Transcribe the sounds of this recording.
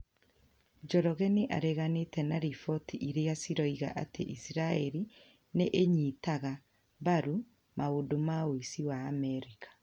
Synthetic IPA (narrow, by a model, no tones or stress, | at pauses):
d͡ʒɔɾɔɣɛneʔa̰ɾɛɣanetɛnaɾifɔtiʔiɾejasiɾɔiɣa̰ʔa̰tḛʔisiɾaɛɾi | neʔeɲitaɣa | baɾu | maodomaoisiwaːmɛɾikḁ